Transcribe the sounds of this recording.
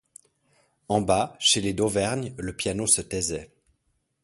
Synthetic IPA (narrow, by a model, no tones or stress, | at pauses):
ɑ̃baʃeled̪ovɛʁɲləpjanosət̪ɛzɛ